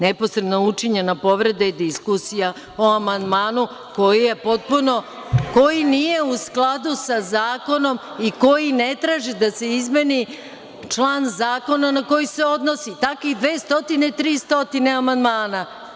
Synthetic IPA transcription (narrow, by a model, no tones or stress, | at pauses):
nepo̞sɾeb̪nout͡ʂiɲenapo̞ʋɾe̞d̪aid̪iskusija | oamand̪maːnu | ko̞jije̞po̞t̪̚puno̞ | ko̞jinije̞usklˠad̪usazaːko̞no̞m | iko̞jine̞t̪ɾaːʒid̪ase̞izme̞ni | t͡ʂlˠaːnzaːko̞nanako̞jise̞o̞d̪no̞sit̪akid̪ʋeːst̪o̞t̪ine̞t̪ɾiːst̪o̞t̪ine̞amand̪maːna